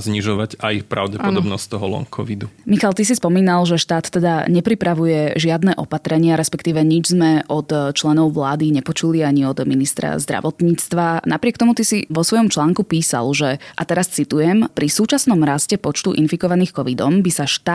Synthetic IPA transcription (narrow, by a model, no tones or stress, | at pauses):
zɲiʒɔʋaɟajipɾa̰ʊɟɛpɔɔbnɔst̪ɔɦɔlɔ̰ŋkʰɔ̰ʋid̪umixalt̪is̬ispɔmiːnalʒɛʃt̪aːt̪ːɛd̪aɲɛpɾipɾaʋujɛʒɪad̪nɛːʔɔpat̪ɾɛɲɪaɾɛspɛkt̪iːʋɛɲid͡ʒzmɛʔɔt̪t͡ʃlɛnɔʊʋlaːd̪iɲɛpɔt͡ʃuliaɲiɔd̪minist̪ɾa̰zd̪ɾa̰ʋɔt̪ɲiːt͡st̪ʋanapɾɪɛk̚t̪ɔmut̪isiʋɔsʋɔjɔmt͡ʃlaːŋkupiːsa̰lʒɛʔat̪ɛɾast͡sit̪ujɛmpɾisuːt͡ʃasnɔmɾascɛpɔt͡ʃt̪uʔḭnfikɔʋaniːxkɔʋid̪ɔmbisaʃt̪ː